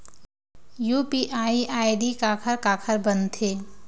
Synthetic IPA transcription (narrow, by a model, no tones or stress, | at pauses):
juːpiʔaːiʔaːiɖikaːkʰəɾkaːkʰəɾbənt̪ʰeː